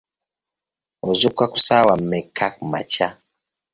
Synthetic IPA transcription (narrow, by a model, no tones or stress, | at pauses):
ɔzukwaku̥sawamɛkʰak̚ma̰t͡ʃa